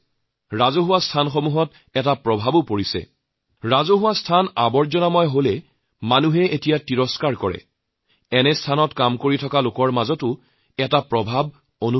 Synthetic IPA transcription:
ɹazoɦʊwastʰanxomuɦɔt | ɛtapɹɔbʱabʊpoɹisɛ̰ | ɹazoɦʊwastʰanabɔɹzɔnamɔjɦolɛ | manuɦɛʔetijatiɹɔskaɹkɔɹɛ̰ | ɛnɛstʰanɔtkamkoɹitʰɔkalokɔɹmazɔtʊ | ɛtapɹɔbʱab̚ | onu

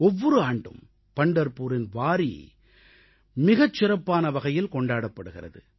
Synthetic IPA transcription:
ɔʋːɔɾɯaːɳɖɯ̰m | pɐɳɖɐɾpuːɾɪnʋaːɾḭ | mɪɣɐt͡ʃːɪɾɐpːaːnɐʋɐɣɐjɪlkɔɳɖaːɽɐpːɐɽɯɣɪrɐ̰ðɯ̰

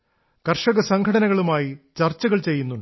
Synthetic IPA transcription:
kɐrʂɐɣɐsɐŋɡʰʱɐɽɐnɐɣɐɭumaːjit͡ɕɐrt͡ɕːɐɣɐɭt͡ɕejːunːuɳɖ

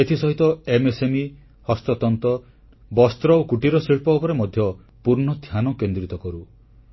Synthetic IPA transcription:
et̪ʰisɔɦit̪ɔemesemi | hɔst̪ɔt̪ɔnt̪ɔ | bɔst̪ɾɔokuʈiɾɔsiɭpɔːpɔɾemɔd̪ʱjɔ | puɾɳɔd̪ʱjanɔkend̪ɾit̪ɔkɔɾu

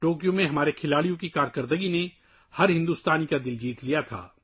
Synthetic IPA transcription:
ʈoːkijõmẽɦɐmaːɾekʰɪlaːɽijõkikaːɾkəɾd̪əɡine | hɐɾɦɪ̃nd̪uːst̪aːnikad̪ɪld͡ʒiːt̪lijat̪ʰa̰ː

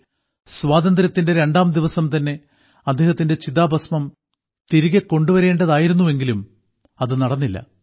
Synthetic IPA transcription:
sʋaːd̪ɐnd̪ɾɐt̪ːinde̞ɾe̞ɳɖaːmd̪iʋɐsɐmt̪ɐnːe̞ | ɐd̪ʱːeːhɐt̪ːinde̞t͡ɕiðaːbɐsmɐm | t̪iɾiɣɐkːo̞ɳɖuʋɐɾe̞ːɳɖɐðaːjiɾunːuʋe̞ŋɡilum | ɐðɨnɐɽɐnːilːɐ̰

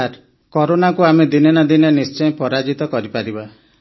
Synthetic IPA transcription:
aɾ | kɔɾonakuamed̪inenɔd̪inenist͡ʃɔj̃pɔɾad͡ʒit̪ɔkɔɾipaɾiba

